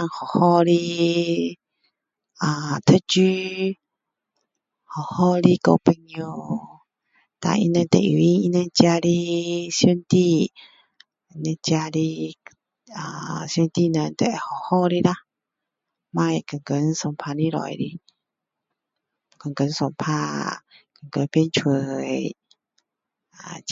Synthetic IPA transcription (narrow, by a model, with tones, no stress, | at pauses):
a˧˨ŋhɔ˨hɔ˦ɾi˧ | a˧˨t̪ʰə˦˧˨t͡ʃy˦ | hɔ˨hɔ˦ɾi˧ko˧pə˧ŋu˧ | t̪a̰˨ʔḭ˧nə̃˧nt̪ḛ˨ʔḭ˨i˦i˧nə̃˧nt͡ʃja˧ɾi˦so˧nt̪i˧ | nə̃˧t͡ʃja˧ɾi˧ | a˧˨sjo˧nt̪i˦˧˨nə˧˨nt̪ɛ̰˨hɔ˨hɔ˦ɾi˦ɾa˦ | mã˧˨jkə˨ŋkə˨˦nsɔ˧˨mpʰa˧ni˦ɾɔ̰˨˧˨jɾi˧ | kə˨ŋkə˨˦nsɔ˨˧mpʰa˧˦kə˨ŋkə˨˦npji˧nt͡ʃʰwə˨j | a˨